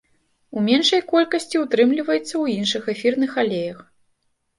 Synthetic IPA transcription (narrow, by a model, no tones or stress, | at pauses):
umʲenʂɐjkɔlʲkɐsʲt͡sʲiut̪ɾɨmlʲivɐjɛt̪sːɐwjinʂɨxɛfʲirnɨxalʲejɐx